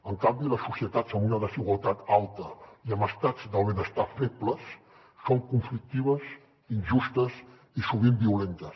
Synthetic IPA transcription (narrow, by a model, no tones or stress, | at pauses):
əŋkambiləsːusiət̪azənunəðəziɣwəlˠt̪at̪alˠt̪əiəməst̪ad͡zd̪əlˠβənəst̪afepbləsː | oŋkuɱflik̚t̪iβ̞əs | inʒust̪əs | isuβ̞imbiulent̪əs